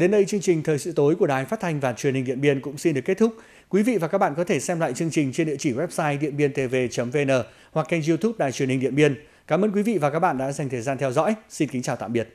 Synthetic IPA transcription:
ɗe˨˦nɗə˧jt͡ɕɨ˧əŋt͡ɕï˨˩ŋ̟t̪ʰəː˨˩jsɨ̰˧˨t̪o˨˦jku˧˩əɗaː˨˩jfaː˦˥t̚t̪ʰa˧jŋ̟vaː˨˩t͡ɕwənhi̟˨˩ɗḭ˧˨ənɓi˧ənkʊ̰˧˥ŋ͡msi˧nɗɨ˨˩əkːt̚t̪ʰʊ˦˥k̚ | kwi˨˦vḭ˧˨va˨ka˦˥ɓa̰ː˧˨nkɔ˨˦t̪ʰe˧˩sɛ˧mla̰ː˧˨jt͡ɕɨ˧əŋt͡ɕï˨˩ŋ̟t͡ɕe˧nɗi˧ət͡ɕi˧˩wɛ˦˥p̚saː˧jɗḭ˧˨ənɓi˧ənt̪e˧ve˧t͡ɕə˨˦mve˧nəː˨˩ | wa˨˩k̚t͡ɕɛ˧nzi˧t̪ʰu˦˥p̚ɗaː˧˨jt͡ɕwi˨˩ənhi˨˩ŋ̟ɗḭ˧˨əmɓi˧ən | kaː˨˦mʔəː˧nkwi˨˦vḭ˧˨vaː˨˩ka˦˥k̚ɓa̰ː˧˨ɗa̰ː˧˥za˨˩ŋt̪ʰəː˨˩jzaː˧nt̪ʰɛ˧wzɔ̰˧˥jsi˧nki˨˦ŋt͡ɕaː˨˩t̪a̰ː˧˨mɓi˨˩ət̚

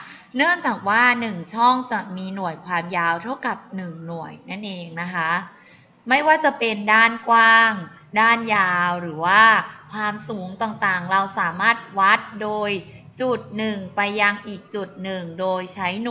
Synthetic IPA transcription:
nɯ˥˩əŋt͡ɕaː˨˩k̚waː˥˩nɯ˨˩ŋt͡ɕʰɔ˥˩ŋt͡ɕa˨˩miː˧nu˨˩əjkʰwaː˧mjaː˧wt̪ʰa˥˩wka˨˩p̚nɯ˨˩ŋnu˨˩əjna˥˩nʔeː˧ŋna˦˥kʰa˦˥ | ma˥˩jwaː˥˩t͡ɕa˨˩pe˧ndaː˥˩nkwaː˥˩ŋ | daː˥˩njaː˧wɾɯː˩˦waː˥˩kʰwaː˧msuː˩˦ŋt̪aː˨˩ŋt̪aː˨˩ŋɾa˧wsaː˩˦maː˥˩t̪̚wa˦˥˩t̪̚doː˧j | t͡ɕu˨˩t̪̚nɯ˨˩ŋpa˧jːa˧ŋʔiː˨˩k̚t͡ɕu˨˩t̪̚nɯ˨˩ŋdoː˧jt͡ɕʰa˦˥jn˨˩

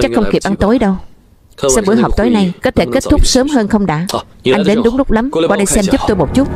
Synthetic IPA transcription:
t͡ɕa˦˥k̚xə˧wŋ͡mki˨˩əp̚ʔa˧nt̪o˨˦jɗə˧w | smɓɨ̰˨˧˩əjɦa˨˩k͡p̚t̪o˨˦jna˧jkɔ˨˦t̪ʰe˧˩ke˦˥t̚t̪ʰʊ˦˥k͡p̚səː˨˦mɦəː˧nxə˧wŋ͡mɗa̰ː˧˥ | ʔʔa˧jŋ̟ɗe˨˦nɗʊ˨˦ŋ͡mlʊ˦˥k͡p̚la˨˦mka˨˧ɗə˧jsɛ˧mzʊ˦˥k͡p̚t̪o˧jmo˨˩t̚t͡ɕu˦˥t̚

